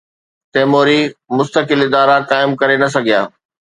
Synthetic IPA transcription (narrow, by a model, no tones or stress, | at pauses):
t̪ɛːmoːɾimʊst̪əkɪlɪd̪aːɾakaːɪmkɐɾenɐs̬ɐɡʱija̰ː